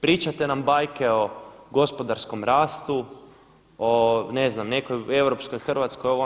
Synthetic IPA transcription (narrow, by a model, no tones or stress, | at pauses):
pɾiːt͡ʃat̪e̞nambajkeo̞ɡo̞spo̞d̪aɾsko̞mɾaːst̪u | one̞znamne̞koje̞wɾo̞psko̞jxr̩ʋat̪skojoʋo